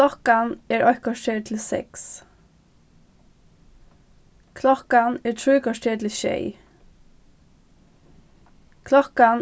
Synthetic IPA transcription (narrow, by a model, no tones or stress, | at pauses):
ɔkanɛɹʔɔhkɔʃʈʰeːɹt̪ʰɪlsɛ̰ks | kʰlɔkanɛːɹt̪ʰɹuːkɔʂtʰeːt̪ʰɪlʃḛɪ | kʰlɔkan